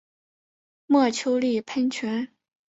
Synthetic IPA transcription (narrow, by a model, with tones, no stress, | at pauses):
mwɔ˥˩t͡ɕʰjo˥ʊli˥˩pʰə˥nt͡ɕʰɥɛ˧˥n